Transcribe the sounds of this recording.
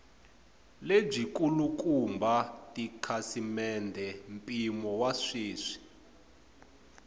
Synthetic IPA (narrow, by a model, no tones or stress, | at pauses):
leb͡ʐik̬ʼuluk̬ʼumbʱatʼikʰasimɛndʱɛm̩pʼimɔwaʂiːʂi̥